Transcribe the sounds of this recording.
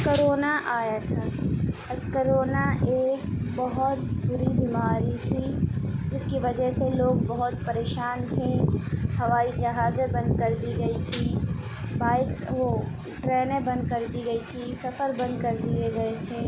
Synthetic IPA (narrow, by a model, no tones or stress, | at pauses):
koɾoːnaʔaːjat̪ʰaː | kəɾoːnaʔeːk̚bɐɦʊt̪bʊɾibiːmaːɾit̪ʰid͡ʒɪskiʋɐd͡ʒəɦseloːɡbɐɦʊt̪pɐɾeːʃaːnt̪ʰehɐʋaːid͡ʒɐɦaːzẽbɐ̃nd̪̚kɐɾd̪iɡɐit̪ʰi | baːɪksʋo | ʈɾɛːnẽbɐ̃nd̪kɐɾd̪iɡɐit̪ʰisɐfəɾbɐ̃nd̪̚kɐɾd̪ieɡɐet̪ʰeː